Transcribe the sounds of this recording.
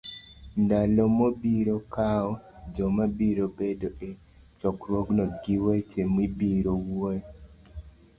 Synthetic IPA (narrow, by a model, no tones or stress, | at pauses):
ndalɔmobiɾokaɔd͡ʒɔmabiɾobedoʔe | t͡ʃɔkɾoɡnɔɡiwet͡ʃemwibiɾowoɛ